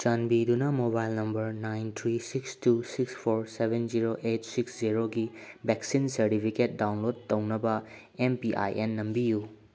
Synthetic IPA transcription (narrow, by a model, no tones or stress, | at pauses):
t͡ʃanbidunɐmobajlnɐmbɐɾnajnt̪ʰɾisikstusikspʰoɾsebʱenziɾoʔetsiksziɾoɡibeksinsɐɾtipʰiket̚dawnlod̚tɐwnɐbɐ | empiʔa̰jʔenːɐmbiju